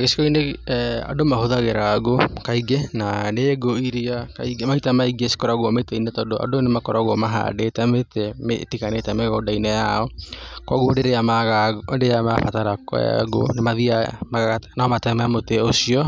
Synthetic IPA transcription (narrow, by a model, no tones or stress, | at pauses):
ɣesi̥kɔinea̰domaɦoðaɣeɾaːɡokaiɡenaneɡoiɾiakaiɡemaitamaiɡiasi̥kɔɾaɣwɔmetɛinɛtɔdoʔa̰donemakɔɾaɣɔmaɦa̰detɛmetɛmḛtikanetɛmeɣɔdainɛjaɔkwaɣwondeɾeamaɣandeamafataɾaka̰ɡo̰nemaðiamaɣaɣanamatɛmaamoteosiɔ